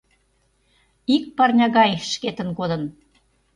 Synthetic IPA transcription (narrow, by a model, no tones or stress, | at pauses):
ik̚pɑrnʲɑɣɑjʃket̪ə̆nkod̪ə̆n